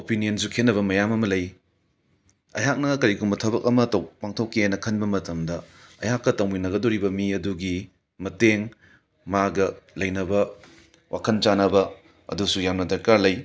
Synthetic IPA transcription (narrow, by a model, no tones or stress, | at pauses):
opinijɐnsukʰenːɐβɐmɐjamɐmɐlɐj | ɐ̰jɦak̚nɐkɐɾikumbɐtʰɐbɐk̚ɐmɐtɐwpaŋtʰokːienːɐkʰɐnbɐmɐtɐmdɐɐ̰jhakːɐtɐwminɐɡɐdoɾibɐmiɐduɡi | mɐteŋ | maɡɐlɐjnɐbɐ | wʔakʰɐnt͡ʃanɐbɐ | ɐ̰dusujamnɐdɐɾkaɾlɐj